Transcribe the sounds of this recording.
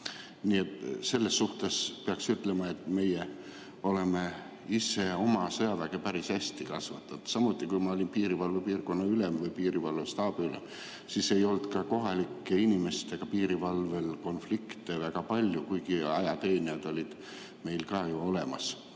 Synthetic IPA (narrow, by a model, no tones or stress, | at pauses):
niːe̞t̪ːse̞lːe̞sːuht̪e̞spe̞ɑksyt̪ːˑle̞mɑe̞t̪ːˑme̞je | o̞le̞me̞ | ise̞o̞mɑsɤjɑvæɡ̥e̞pæɾisæsʲt̪ikɑsvɑt̪ːˑud̪̥sɑmut̪ːˑikujmɑo̞lʲinpiːɾivɑlvupiːrko̞nːɑylemvɤjpiːɾivɑlvust̪ɑːb̥eylḛm | sise̞jo̞lt̪kɑko̞ɦɑlikːeinime̞st̪e̞ɡ̥ɑpiːɾivɑlve̞lko̞nflikt̪evæɡ̥ɑpɑlʲjukujɡ̥iɑjɑt̪e̞ːniɑd̪̥o̞lʲid̪̥ | me̞jlkɑːjuo̞le̞mɑ̰s